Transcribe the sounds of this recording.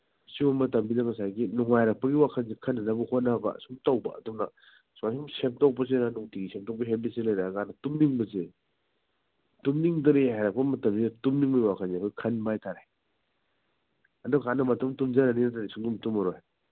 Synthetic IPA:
simɐmɐtɐmbidɐŋɐsajɡinuŋajɾɐk̚pɐɡiwakʰanzikʰɐnːanabuhotnabɐ̰sumtawbɐ̰ɐ̰dumnɐ | sajsumsep̚tawbɐs̬enanuŋtiɡisʰep̚tawpɐɦebiselajɾakanɐtumniŋbɐze | tumniŋdɐɾihajɾɐk̚pɐmɐtɐmbidɐtumniŋbɐɡiwakʰanzekʰojikʰɐnbajtʰaɾaj | ɐdukanɐmɐtɐmtumzananinataɾisuŋdumtumɐɾoj

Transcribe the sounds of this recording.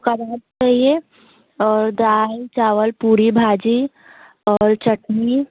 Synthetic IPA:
kəɾaːb̚t͡ʃaie | ɔːɾd̪aːjt͡ʃaːwəlpuːɾibʱad͡ʒi | ɔːɾt͡ʃəʈnii

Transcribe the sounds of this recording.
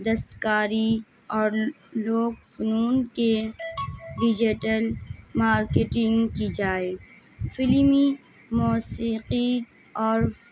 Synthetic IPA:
d̪əst̪kaːɾi | ɔːɾ | loːɡfʊnuːnke | ɖɪd͡ʒiʈəlmaːɾkeʈɪ̃ŋɡkid͡ʒaːeː | fɪlmi | muːsiːqi | ɔːɾ

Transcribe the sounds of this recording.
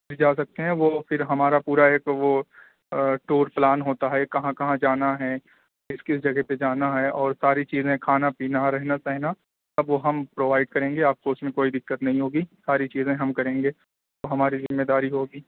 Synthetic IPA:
pʰɪɾd͡ʒaːs̬ɐk̚t̪eɦɛ̃ʋofɪɾɦɐmaːɾapuːɾaɦɛkoʋo | ʈoːɾplaːnɦoːt̪aɦɛkɐɦãkɐɦãd͡ʒaːnaɦɛ | ɪskɪsd͡ʒɐɡɛɦped͡ʒaːnaɦɛɔːɾsaːɾit͡ʃiːzẽkʰaːnapiːnaɾɛɦnasɐɦna | t̪ɐbʋoɦɐmpɾoːʋaːɪɖ̚kɐɾẽːŋɡeaːp̚koʊsmẽkoːid̪ɪkːət̪nɐɦĩɦoːɡiːsaːɾit͡ʃiːzẽɦɐmkɐɾẽːŋɡeː | t̪oɦɐmaːɾizɪmːeːd̪aːɾiɦoːɡiː

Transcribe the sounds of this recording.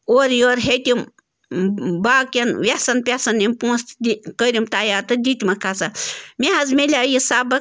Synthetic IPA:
oɾjoːɾɦet̪ʲim | baːkʲɐnʋʲasɐnpʲasɐnimpũːst̪d̪ʲikəɾʲimt̪aːjaːɾt̪ɨd̪ʲit̪ʲmɐkʰat͡samʲeɦɐzmelʲaːjisaːbɐ

